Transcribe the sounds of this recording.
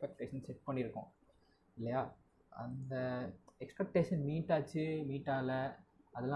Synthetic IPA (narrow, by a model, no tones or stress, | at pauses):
pɛk̚ʈeːʂɐnsɛʈ̚pɐɳːɪɾɯkːʊ̰̃ | ɪlːɐjaː | ɐ̰nd̪ɐɛkspɛk̚ʈeːʂɐnmiːʈːaːt͡ʃːɯmiːʈːaːlɐɐðɛlã